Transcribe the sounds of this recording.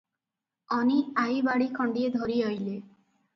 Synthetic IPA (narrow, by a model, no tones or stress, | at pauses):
ɔniajbaɽikʰɔɳɖied̪ʱoɾiɦojle